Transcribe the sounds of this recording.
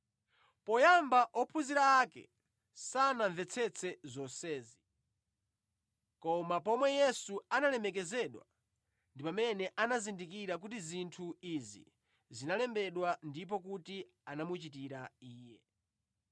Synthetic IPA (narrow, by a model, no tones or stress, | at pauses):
pɔjambaʔɔpʰuziɾaːkɛ̰ | sanaɱvɛt͡sʰɛt͡sʰɛzɔsɛːzi | kɔmap̬ɔmwɛjɛsuanalɛmɛk̬ɛzɛɗwa̰ | ndipamɛnɛʔanazindikiɾak̬utizintʰuizḭ | zinalɛmbɛɗwandip̬ɔk̬uti | anamut͡ʃitiɾaiːjɛ